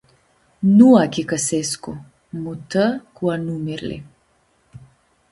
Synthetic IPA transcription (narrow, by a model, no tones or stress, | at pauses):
nuakikəsɛsku | mut̪əkuanumiɾlḭ